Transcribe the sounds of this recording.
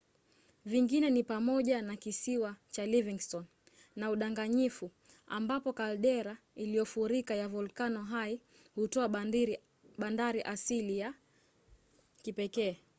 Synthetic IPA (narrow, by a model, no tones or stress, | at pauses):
viŋɡinɛnipamɔʄanakisiwat͡ʃaliviŋstɔn | nauɗaŋɡaɲifu | a̰mbapɔkalɗɛɾa | ilijɔfuɾikajavulkanɔɦai | hutɔa | ɓandaɾiʔasilija | kipɛkɛː